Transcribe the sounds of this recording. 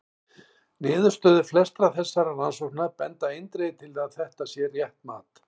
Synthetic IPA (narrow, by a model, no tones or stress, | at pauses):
nɪːðʏ̥st̪œːðʏflɛst̪ɾaθɛsːaɾaransɔhk̚napɛnt̪aejnt̪ɾeːðt̪ʰɪlaðθɛht̪asjɛrjɛht̪maːt̪